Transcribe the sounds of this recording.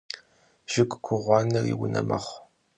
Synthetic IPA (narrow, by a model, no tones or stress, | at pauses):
ʒ̥ɪkʷʼkʷʰʊʁʷɑːnɐriːwʊnɐmɐχʷ